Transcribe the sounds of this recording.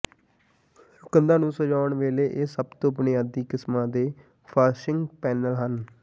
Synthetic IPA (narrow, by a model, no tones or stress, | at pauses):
ʊkənd̪ãːnũːsəd͡ʒaːʊɳʋeːleːʔeːsəbt̪õːəpneːad̪iːkɪsmãːd̪eː | pʰaːɾʃɪŋɡpɛːnəlɦən